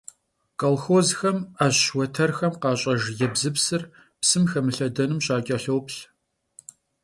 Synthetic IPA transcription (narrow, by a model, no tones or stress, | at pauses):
kʼɐlxoːzxɐmaːʑwɔtʰɐrxɐmqɑːɕʼɐʒjɛbzɨpsɨr | psɨmxɐmɨɬɐdɐnɨmɕaːkʲʼɐɬowpɬ